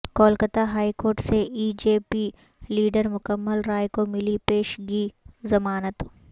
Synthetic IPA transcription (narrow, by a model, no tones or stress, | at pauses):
kɔːlkət̪aɦaːikoːɾʈseiːd͡ʒeːpi | liːɖəɾmʊkəmːəlɾaːjkomɪlipeːʃɡizɐmaːnət̪